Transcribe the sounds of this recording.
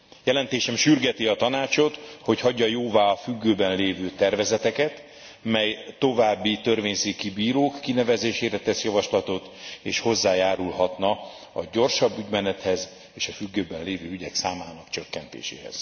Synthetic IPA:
jɛlɛnt̪eːʃɛmʃyrɡɛt̪iɒt̪ɒnaːt͡ʃo̞t̪ho̞chɒɟːɒjoːvaːɒfyɡːøːbɛnleːvøːt̪ɛrvɛzɛt̪ɛkɛt̪ | mɛjt̪o̞vaːbːit̪ø̞rveːɲseːkibiːɾoːkːinɛvɛzeːʃeːɾɛt̪ɛsjɒvɒʃlɒt̪o̞t̪eːʃho̞zːaːjaːɾulɦɒt̪nɒ | ɒɟo̞rʃɒbːyɟmɛnɛt̪hɛz | eːʃɒfyɡːøːbɛnleːvøːyɟɛksaːmaːnɒkt͡ʃøkːɛnt̪ḛːʃḛːɦɛ̰z̥

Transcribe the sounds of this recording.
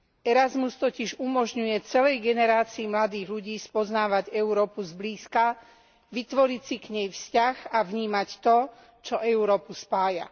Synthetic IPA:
ɛɾazmust̪ɔciʒumɔʒɲujɛt͡sɛlɛjɡɛnɛɾaːt͡siːmlad̪iːɣluɟiːspɔznaːʋaɟɛuɾɔːpuzbliːska | ʋit̪ʋɔɾicsikɲɛjfscaɣaʋɲiːmact̪ɔ | t͡ʃɔʔɛuɾɔːpuspaːja̰

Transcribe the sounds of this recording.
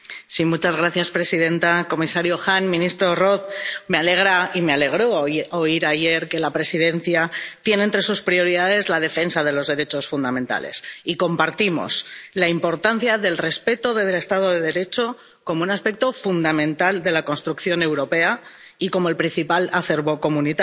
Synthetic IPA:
simut͡ʃazɣ̞ɾaθjaspɾe̞sið̞e̞nt̪ako̞misaɾjoxanmĩnist̪ɾo̞ro̞θme̞ale̞ɣɾaime̞ale̞ɣ̞ɾo̞oiɾaʝe̞ɾke̞lapɾe̞sið̞e̞n̟θjat̪je̞neːnt̪ɾe̞suspɾio̞ɾiðað̞e̞zlað̞e̞fe̞nsað̞e̞lo̞zðe̞ɾe̞t͡ʃo̞sfund̪amẽ̞nt̪a̰le̞̰siko̞mpaɾt̪imo̞̰slaimpo̞ɾt̪an̟θjaðe̞lre̞spe̞t̪oðeðele̞st̪að̞oðe̞ðe̞ɾe̞t͡ʃo̞ | ko̞mounaspe̞k̚t̪o̞fund̪amẽ̞nt̪ald̪e̞lako̞nst̪ɾukθjo̞ne̞wɾo̞pe̞aiko̞mo̞elpɾin̟θipalaθe̞ɾβo̞ko̞mũnit̪a

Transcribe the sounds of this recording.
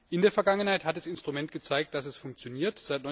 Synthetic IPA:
ʔɪndeːɐfɛɐɡaŋənhaɪthat̚d̥asɪnstʁ̥umɛntɡ̥ət͡saɪk̚t̚d̥asɛsfʊŋkt͡sjoniːɐtz̥aɪt̚nɔ

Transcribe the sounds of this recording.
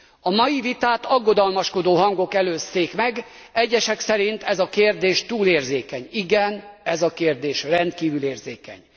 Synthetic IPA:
ɒmɒjivit̪aːt̪ɒɡːo̞d̪ɒlmɒʃko̞d̪oːɦɒŋɡo̞kɛløːst̪eːkmɛɡ | ɛɟːɛʃɛksɛɾint̪ɛzɒkeːrd̪eːʃt̪uːleːrzeːkɛɲiɡɛnɛzɒkeːrd̪eːʃrɛnt̪kiːvyleːrzeːkɛ̰ɲ

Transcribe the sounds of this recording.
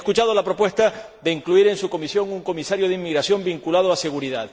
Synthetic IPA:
kut͡ʃað̞o̞lapɾo̞pwe̞st̪a | ðeiŋkluiɾe̞nsuko̞misjo̞ŋuŋko̞misaɾjoðeimːiɣɾasjo̞mbiŋkulað̞oase̞ɣuɾiðað

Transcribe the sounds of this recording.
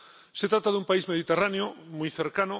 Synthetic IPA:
set̪ɾat̪aðumpaizmeðit̪eraneomujθeɾkanʊ

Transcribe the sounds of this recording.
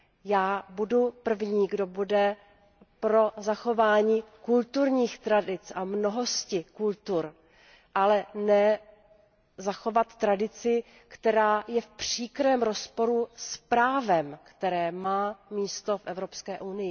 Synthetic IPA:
jaːbudupr̩vɲiːɡdo̞budɛ | pɾo̞zaxo̞vaːɲiːkult̪uɾɲiːxt̪ɾadɪt͡sʔamno̞ɦo̞scɪkult̪uɾ | ʔalɛnɛ | zaxo̞vat̪ːɾadɪt͡sɪ | kt̪ɛɾaːjɛfpr̝̥iːkɾɛːmɾo̞spo̞ɾuspɾaːvɛmkt̪ɛɾɛːmaːmiːst̪o̞fʔɛvɾo̞pskɛːʔunɪjɪ

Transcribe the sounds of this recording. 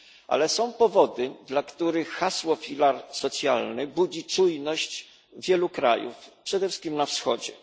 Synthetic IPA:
ʔa̰lɛsɔ̃w̃pɔvɔd̪ɘd̪lakt̪uɾɘxːaswɔfʲilaɾsɔt̪sʲjalnɘbud͡ʑit͡ʂujnɔɕt͡ɕ | vʲjɛlukɾa̰jṵfpʂɛd̪ɛfʂɨ̥skʲimnafsxɔ̰d͡ʑɛ̰

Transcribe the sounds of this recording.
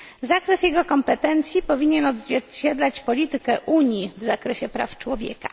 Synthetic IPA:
zakɾɛsjɛɡɔkɔmpɛt̪ɛnt̪sʲjipɔvʲiɲɛnɔd̪zvʲɛɾt͡ɕɛd̪lat͡ɕpɔlʲit̪ɘkɛʔuɲjivzakɾɛɕɛpɾa̰ft͡ʂwɔvʲjɛ̰kḁ

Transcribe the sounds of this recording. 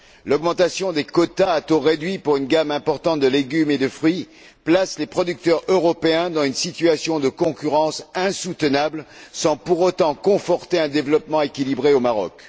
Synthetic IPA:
lɔɡmɑ̃t̪asjɔ̃d̪ekɔt̪aːt̪oʁed̪ɥipuʁynɡamɛ̃pɔʁt̪ɑ̃t̪̚d̪əleɡʲymed̪əfχɥi | plaslepχɔd̪yk̚t̪œʁøʁɔpeɛ̃d̪ɑ̃zynsit̪ɥasjɔ̃d̪əkɔ̃kʲyʁɑ̃sɛ̃sut̪ənablsɑ̃puʁot̪ɑ̃kɔ̃fɔʁt̪eɛ̃d̪evlɔpmɑ̃ekʲilibʁeomaʁɔ̰k

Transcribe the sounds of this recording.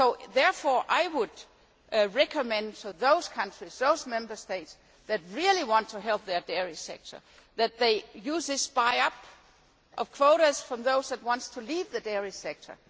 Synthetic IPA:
soʊðɛɹfɔɹʔaɪwʊd̥ | ɹɛkʰəmɛ̃nd̥fə˞ðoʊz̥kʰʌ̃nt͡ʃɹ̥iz̥ðoʊzmɛ̃mbə˞steɪts | ðæt̚ɹilˠiwɑ̃ntʰuɦɛlˠp̚ðə˞dɛɹisɛk̚tʰə̰˞ | ðæt̪̚ðeɪjuːzðɪsb̥aɪʌp | ʔʌv̥kʰw̥oʊɾəz̥fɹʌ̃mðoʊzðæt̚wɑ̃ntstʰulivðɨdɛɹisɛk̚tʰə̰˞

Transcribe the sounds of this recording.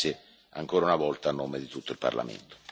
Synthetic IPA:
ɪ | aŋkoːɾaunavɔlt̪aːnːoːmed̪it̪ut̪ːoilpa̰rla̰mḛnt̪o̥

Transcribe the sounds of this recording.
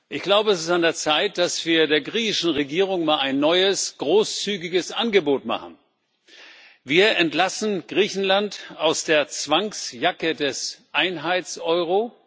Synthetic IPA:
ʔɪçɡ̥laʊbəɛsɪ̥standeːɐt͡saɪt̚d̥asv̥iːɐdeːɐɡʁiːçɪʃn̩ʁeɡiːʁ̞ʊŋmaːlaɪnːɔʏəsɡ̥ʁoːst͡syːɡɪɡəsʔanɡəboːtma̰χn̩ | viːɐʔɛntlasn̩ɡ̥ʁiːçn̩lantaʊsd̥eːɐt͡sv̥aŋsjakədɛsʔaɪnɦaɪt͡sʔɔʏʁ̞o

